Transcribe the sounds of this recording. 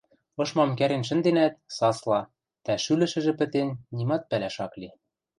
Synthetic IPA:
ɤ̆ʃmɑmkæɾenʃ̬ɘ̆nd̪enæt̪̚sɑslˠɑ | t̪æʃylɘ̆ʃɘ̆ʒɘ̆pɘ̆t̪enːimɑt̪̚pælæʃɑkli

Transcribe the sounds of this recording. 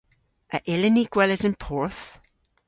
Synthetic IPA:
ʔəʔɪlɪniɡ̥wɛlɪzɪ̃npʰɔɹθ

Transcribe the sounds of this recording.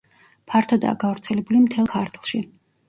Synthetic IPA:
pʰaɾt̪ʰɔd̪a̰ːɡavɾt̪sʰɛlɛbulimt̪ʰɛlˠkʰaɾt̪ʰlˠʃi

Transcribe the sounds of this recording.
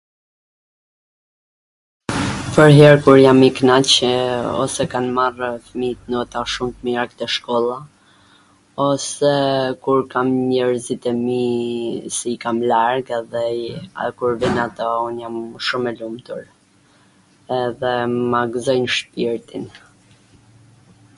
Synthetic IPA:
pəɾɦɛɾkuɾjamiknat͡ɕɔ̰sɛkanmarfmit̪nɔt̪aʃumt̪miɾak̚t̪ɛʃkɔlˠa | ɔsɛkuɾkamɲɛɾzit̪ɛmi | sɛikamlaɾɡɛðɛkuɾvinat̪ɔunjamʃumɛlumt̪uɾ | ɛðɛmaɡzɔjnʃpiɾt̪in

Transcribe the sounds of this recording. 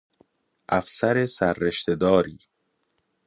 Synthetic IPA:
ʔæfsæɾesæɾːeʃt̪ed̪ɒːɾiː

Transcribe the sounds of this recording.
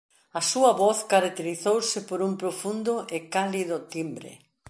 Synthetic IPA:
ɐsuɐβɔθkaɾak̚t̪eɾiθowsɪpoɾumpɾofund̪ʊʔekaliðʊt̪imbɾḛ

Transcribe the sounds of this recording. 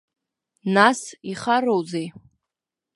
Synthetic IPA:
nasiχarowzej

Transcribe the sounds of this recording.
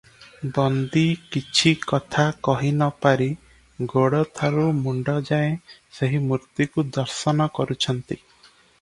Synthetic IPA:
bɔnd̪ikit͡ʃʰikɔt̪ʰakɔɦinɔpaɾi | ɡoɽɔt̪ʰaɾumuɳɖɔd͡ʒaẽseɦimuɾt̪jukud̪ɔɾsɔnɔkɔɾut͡ʃʰɔnt̪i

